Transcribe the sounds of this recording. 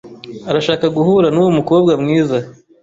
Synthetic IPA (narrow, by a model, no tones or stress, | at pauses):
aɾaʃaːkaɡuhuɾanuwomuko̞ːb̚ɡamŋiːza